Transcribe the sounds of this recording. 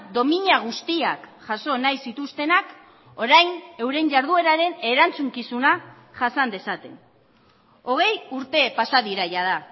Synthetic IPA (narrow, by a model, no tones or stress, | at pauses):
d̪o̞miɲaɣ̞ust̪iakʝaso̞najsit̪ust̪e̞nak | o̞ɾajne̞wɾe̞ɲɟaɾðue̞ɾaɾe̞ne̞ɾant͡suŋkisuna | ʝasand̪e̞sat̪e̞n | o̞ɣ̞e̞juɾt̪e̞pasaðiɾajað̞a